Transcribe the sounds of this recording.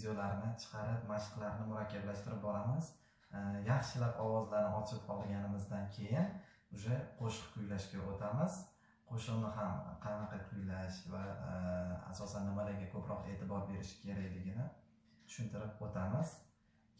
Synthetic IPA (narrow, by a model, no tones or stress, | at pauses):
vd̪ʲeolaɾnɪt͡ʃʰɨ̥qʰɑɾɪp̚maʃɨ̥qlaɾnɪmʊɾakʲʰːablaʃt̪ɪɾɪp̚bɒɾamɪz̥ | jɑχʃɪlapɒwɒzlaɾnɪɒt͡ʃʰɪpɒlˠɡʲanɪmɪzd̪ankʲʰe̞jɪn | ʊʃaqʰoʃɨ̥qkʰʊjlaʃkʲaʔot̪ʰamɪz̥ | qʰoʃɨqnɪɦamqʰɑnɑqʰɑkʰʊjlaʃva | a̰sɒsanːɪmalaɾɡʲakʰɵpɾʔɒqe̞ːt̪ʰɪbɒɾbe̞ɾɪʃɪ̥kʲʰe̞ɾakʲlɪɡʲɪnɪ | t̪ʰʊ̥ʃɪnt̪ʰɪɾɪp̚ot̪ʰamɪz̥